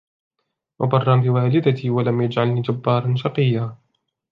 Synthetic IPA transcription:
wʔabɑrˤːɑmbɪwaːlɪd̪at̪iːwalamjad͡ʒʕalniːd͡ʒabːɑːɾˤɑnʃɑqɨjːaː

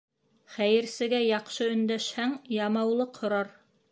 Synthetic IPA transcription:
χæjɘ̆ɾsɘ̆ɡæjɑqʃɤɵ̆nd̪æʃhæŋjɑmɑwlˠɤqhŏɾɑɾ

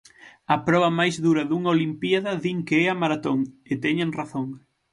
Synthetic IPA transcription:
ɐpɾɔβɐmajzðuɾɐðuŋɐolimpiaðɐðiŋkeɛamaɾat̪oŋet̪ɛɲeŋraθoŋ

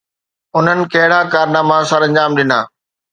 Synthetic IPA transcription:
ʊn̤ənɪ̆kɐɦɪɽ̤akaːɾnaːmasɐɾɐ̃ɲd͡ʑaːmɗɪna̰ː

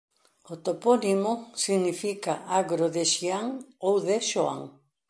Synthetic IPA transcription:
ot̪oponimosiɣnifikaʔaɣɾoðeʃiaŋowðeʃoa̰ŋ

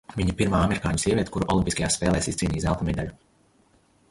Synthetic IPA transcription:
viɲɐpiɾmaːameɾikaːɲusiɛviɛt̪̚ʲkuɾuʔɔ̰lˠimpʲiskajaːsspɛːlˠɛːsist̪siːnʲiːsalˠt̪mɛd̪ɛʎʲu

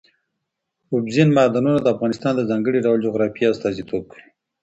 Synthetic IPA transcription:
ʊbzinmɑd̪ɑnunad̪əafɣɑnɪst̪ɑnd̪əzɑŋɡəɽiɖawəld͡ʒoɣɾɑfiast̪ɑzit̪ʰob̚kʰəwi

